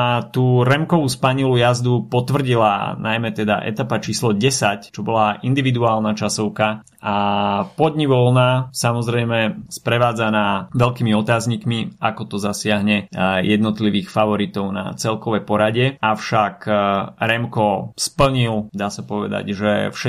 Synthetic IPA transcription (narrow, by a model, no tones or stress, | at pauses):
t̪uːɾɛmkɔʋuspaɲilujazd̪upɔt̪ʋr̩ɟila̰najmɛt̪ɛd̪a̰ʔɛ̰t̪apat͡ʃiːslɔɟɛsact͡ʃɔbɔlaʔind̪iʋid̪uaːlnat͡ʃasɔʊka | apɔd̪ɲiʋɔlnasamɔzɾɛjmɛspɾɛʋaːd͡zanaːʋɛlkiːmiɔt̪aːzɲikmiakɔt̪ɔzasɪaɦɲɛjɛd̪nɔt̪liʋiːxfaʋɔɾit̪ɔʊna̰t͡sɛlkɔʋɛjpɔɾaɟɛafʃakɾɛmkɔspl̩ɲild̪aːsapɔʋɛ̰d̪a̰ɟʒɛ̰fʃɛ